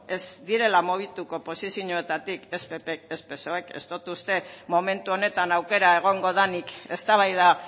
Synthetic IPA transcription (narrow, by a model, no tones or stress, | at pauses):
e̞zd̪iɾe̞lamoβit̪uko̞po̞sisjiuɲoe̞t̪at̪ike̞spepekespe̞so̞eke̞̰st̪ot̪ust̪e̞mo̞me̞nt̪uo̞ne̞t̪anawke̞ɾae̞ɣ̞o̞ŋɡo̞ðanike̞st̪aβajð̞a